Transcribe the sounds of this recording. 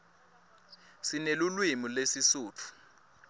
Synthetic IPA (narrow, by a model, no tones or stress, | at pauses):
sinelulwimulesisuːt͡fʰu̥